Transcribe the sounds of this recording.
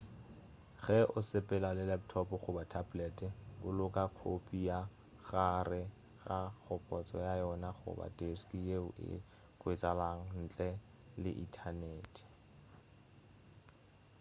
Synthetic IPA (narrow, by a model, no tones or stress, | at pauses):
χɛʔʊsɪpʼɛlalɪlɛp̚tʰɔpʊχʊbatʰablɛtʼɪʊlʊkʼakʰopʰʼija | ɣarɪ | ɣak͡xʰɔpʼɔt͡sʼɔjajɔnaχʊ̰ba̰deskije | kʊɪtʼalaŋ̩n̩t͡ɬʼɛ | lɪ̰ʔitʰaneːtʰʼi̥